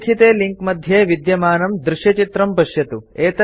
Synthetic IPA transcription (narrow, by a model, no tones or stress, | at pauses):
kʰit̪eːliŋkmɐd̪ʱjeːʋid̪jɐmaːnɐmd̪ɾɪʃjɐt͡ʃit̪ɾɐmpɐʃjɐt̪ueːt̪ɐ